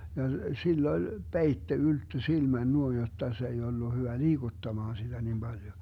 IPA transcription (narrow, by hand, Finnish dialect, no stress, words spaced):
jɑ silː olʲ peitːe yltːø silmæn nuoin jotːɑ se ei olːu hyʋæ liːɡ̊utːɑmɑːn sid̥æ nim b̥ɑljo